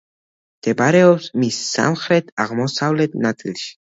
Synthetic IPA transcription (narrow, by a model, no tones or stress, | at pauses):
d̪̥ɛbaɾɛɔpsmisːa̰mχɾɛt̪ʰaʁmɔsavlɛt̪nat̪sʼilʃi̥